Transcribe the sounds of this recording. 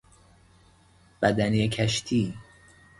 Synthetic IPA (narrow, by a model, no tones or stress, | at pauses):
b̥æd̪æniekʰæʃt̪ʰiː